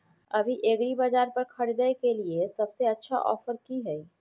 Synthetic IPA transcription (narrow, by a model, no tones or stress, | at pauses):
ɐbʱiʔeːɡɽibad͡ʒaːɾpɐɾkʰɐɽid̪əekeliesɐbseɐtːʃʰa̰ʔɔ̰ːfəɾkiɦɛi